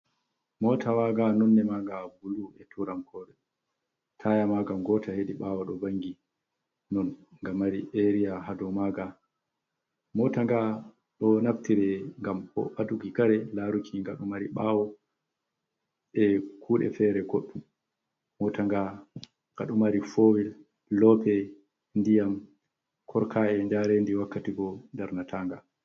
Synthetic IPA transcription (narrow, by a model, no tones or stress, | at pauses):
mɔtʰawaɡanɔnːɛmaɡabuluɛtʰuɾamkʰɔːɗɛ | tʰajamaɡamɡɔtʰaheɗiɓaːwɔɗɔbaŋɡi | nɔnŋɡamːaɾiʔeɾijaɦadɔmaɡa | mɔtaŋɡa | ɗɔnaftiɾɛŋɡamɔ̰ɓatuɡikaɾɛlaɾukʰiŋɡaɗumaɾiɓaːwɔ | ɛkʰuːɗɛ̰fɛɾɛɡoɗːum | mɔtaŋɡa | ɡ̥a̰ɗumaɾifowil | lɔpɛ | ndijam | kʰɔɾkʰaɛɲd͡ʒaɾendiwakːatiɡɔndaɾnatʰaŋɡa